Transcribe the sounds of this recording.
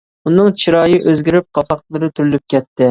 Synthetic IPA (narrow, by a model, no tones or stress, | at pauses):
unɨŋt͡ʃʰiɾɑːjiʔøzɡʲiɾyp̚qʰɑpɑqt̪lˠɨɾɨt̪ʰyɾylyp̚kʲʰɛt̪ʰːɪ